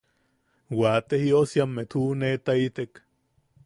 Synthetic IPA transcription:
wat̪ehiosjamːet̪hunet̪ait̪ek

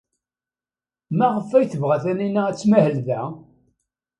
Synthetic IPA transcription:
mæʁəfːæjθəvʁæθæninææt͡sːmæhəlðæ

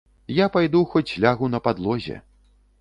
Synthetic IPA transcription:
japajd̪uxɔt͡sʲːlʲaɣunɐpad̪lˠɔzʲɛ̰

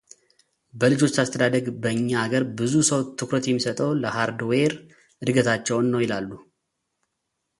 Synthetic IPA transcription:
bəlɨd͡ʒo̞t͡ʃːast̪ʰəd̪ad̪əɡbəɨɲːaːɡəɾbɨzusəwt̪ʰɨkɾət̪jɛmːisət̪ʼəwləhaɾd̪weɾ | ɨd̪ɨɡət̪ʰat͡ʃːɛwnːəwjɪlalːu

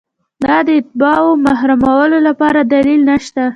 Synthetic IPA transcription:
d̪ɑd̪əɪt̪̚bɑomaɦɾamawəlolapɑɾad̪alilnaʃt̪a

